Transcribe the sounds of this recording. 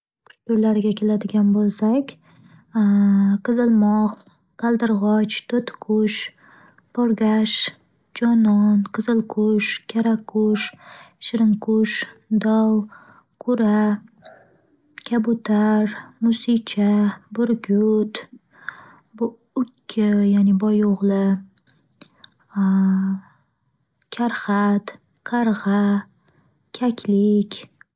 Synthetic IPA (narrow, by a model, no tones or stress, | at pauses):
kʰʊ̥t͡ʃt̪ʊɾlaɾɪɡʲakʲʰelad̪ɪɡʲanbolˠsakʲ | qɨzɪlmɒq | qʰalˠd̪ɪɾʁɒt͡ʃt̪ʰot̪kʰʊʃ | pʰɒɾɡʲaʃ | d͡ʒɒnɒnqʰɨzɪlˠkʰʊʃkʲʰaɾakʰʊʃʃɪɾɪŋkʰʊʃd̪ɒw | kʰʊɾa | kʲʰabʊt̪ʰaɾmʊsɪt͡ʃʰabʊɾɡʲʊt̪ | ʊkʲʰːɪjanɪbɒjoʁlˠɪ | kʲʰaɾχat̪ | qʰaɾʁɑ | kʲʰakʲʰlɪkʲ